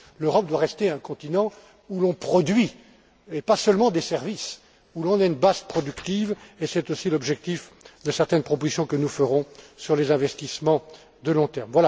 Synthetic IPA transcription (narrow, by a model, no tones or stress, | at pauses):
løʁɔp̚d̪waʁɛst̪eɛ̃kɔ̃t̪inɑ̃ | ulɔ̃pχɔd̪ɥi | epasəlmɑ̃d̪esɛʁvis | ulɔ̃nɛynbazpχɔd̪ykt̪ivesɛt̪osilɔbʒɛk̚t̪ifd̪əsɛʁt̪ɛnpχɔpozisjɔ̃kənufəʁɔ̃syʁlezɛ̃vɛst̪ismɑ̃ | d̪əlɔ̃t̪ɛʁmvwala